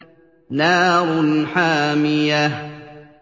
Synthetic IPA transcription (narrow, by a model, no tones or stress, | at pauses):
naːɾˤʊnħaːmɪja